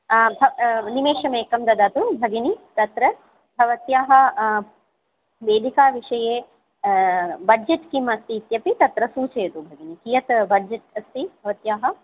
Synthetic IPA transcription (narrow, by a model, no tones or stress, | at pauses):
bʱɐnimeːʃɐmeːkɐmd̪ɐd̪aːt̪ubʱɐɡɐnit̪ɐt̪ɾɐ | bʱɐʋɐt̪jaːɦɐ | ʋeːd̪ʱikaːʋiʂɐjeː | bɐd͡ʒet̪kimɐst̪iːt̪jɐpit̪ɐt̪ɾɐsuːt͡ʃɐjɐt̪ubʱɐɡinikijɐt̪bʱɐd͡ʒet̪ɐst̪ibʱɐʋɐt̪jaːɦɐ̆